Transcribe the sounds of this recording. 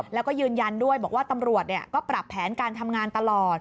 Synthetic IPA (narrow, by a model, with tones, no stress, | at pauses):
lɛː˦˥wkɔː˥˩jɯː˧nja˧ndu˥˩əjbɔː˨˩k̚waː˥˩t̪a˧mɾu˨˩ət̪̚ni˨˩əkɔː˥˩pɾa˨˩pʰːɛː˩˦nkaː˧nt̪ʰa˧mŋaː˧nt̪a˧lɔː˨˩t̪̚